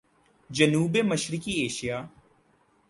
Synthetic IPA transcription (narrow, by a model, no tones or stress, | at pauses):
d͡ʒənuːbeməʃɾɪkieːʃijaː